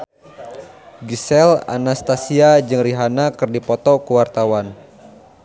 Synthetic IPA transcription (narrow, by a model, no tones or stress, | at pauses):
ɡisɛla̰nast̪asiad͡ʒɨŋriɦanakɨrdipɔt̪ɔkuwart̪awan